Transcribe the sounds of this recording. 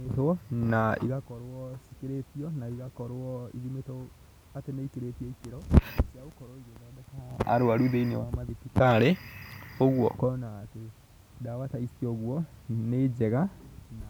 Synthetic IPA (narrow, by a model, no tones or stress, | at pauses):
etwɔnaḭɣakɔɾwɔsi̥keɾetiɔnaiɣakɔɾwɔiðumetɔ | ateneikeɾetiɔikeɾɔsiaokɔɾɔiɾonɔnɛkaa̰ɾoaɾuðeinewamaðekikaɾe | oɣwɔ̰kɔnaːte | dawataisiɔɣwɔned͡ʑɛɣana